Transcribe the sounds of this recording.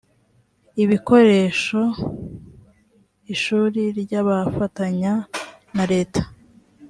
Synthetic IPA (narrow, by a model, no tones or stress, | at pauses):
iβiko̞ɾe̞ʃo̞ | iʃuːɾiɾɟaβafataɲa | naɾe̞ːtḁ